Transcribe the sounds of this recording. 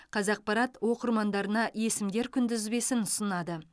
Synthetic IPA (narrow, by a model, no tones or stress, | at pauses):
qʰɑzɑq̚pɑɾɑt̪wo̞qəɾmɑnd̪ɑɾənɑje̞sɪmd̪e̞ɾkʲʰʏnd̪ɪzbe̞sɪnʊsənɑd̪ə